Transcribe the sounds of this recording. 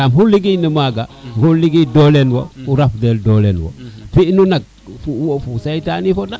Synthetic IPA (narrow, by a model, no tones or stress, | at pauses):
amɦuliɡinəmaɡahuliɡidolenwo̰fuɾafdeldolenwo̰finunak̚ | fufusejtanifoda